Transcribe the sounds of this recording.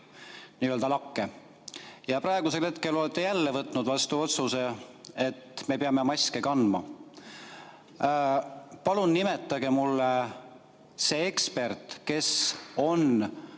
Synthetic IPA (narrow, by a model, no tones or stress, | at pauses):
niːøld̪ɑlɑkːe | jɑpɾɑeɡ̥use̞lhe̞t̪ke̞lo̞lɛt̪ːejælːevɤt̪ːˑnud̪vɑst̪uo̞t̪suse̞et̪ːˑme̞peɑmemɑsʲkekɑnd̪mɑ | pɑlunːimet̪ːˑɑɡe̞mulːe | se̞ekspe̞rt̪ˑke̞so̞n